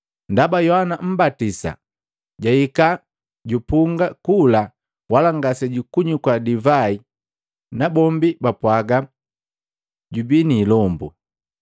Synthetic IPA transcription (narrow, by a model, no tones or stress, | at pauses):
ndabajɔhanam̩batisa̰ | ɟaika | ɟupuŋɡakula | walaŋɡasɛɟukuɲukwadivai | nabɔmbibapwaɡa | ɟubiniːlɔmbu